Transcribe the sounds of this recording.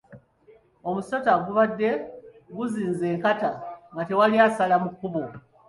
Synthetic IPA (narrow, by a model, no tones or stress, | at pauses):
omuso̞taɡuβadːe̞ | ɡuziːnze̞ːŋkataŋɡate̞waliasalamukːuβo